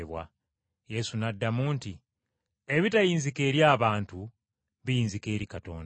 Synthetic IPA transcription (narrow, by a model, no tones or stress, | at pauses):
βwa̰ | je̞sunadːamuːnti | e̞βitajiːnzike̞ːɾjaːβaːntu | βijiːnzike̞ːɾikato̞̰ːnd